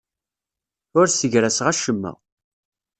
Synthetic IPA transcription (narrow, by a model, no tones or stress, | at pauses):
ʊɾsəʝɾæsʁæʃəmːæ̰